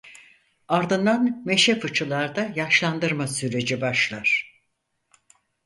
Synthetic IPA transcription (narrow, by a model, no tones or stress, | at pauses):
aɾd̪ɯnd̪anme̞ʃɛfɯt͡ʃʰɯlˠaɾd̪ajaʃlˠand̪ɯɾmasyɾe̞d͡ʒibaʃlˠaɾ̥